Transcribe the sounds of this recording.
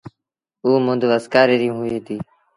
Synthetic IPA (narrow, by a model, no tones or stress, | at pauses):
uːmʊ̃nd̪ʱʋəskaːɾeːɾĩːɦueːt̪iː